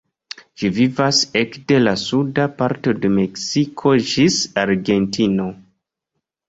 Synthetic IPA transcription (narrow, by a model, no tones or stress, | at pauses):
ʒ̥ivivasekde̞lasudapaɾto̞de̞me̞ksikʰo̞d͡ʒisaɾɡe̞ntʰino̞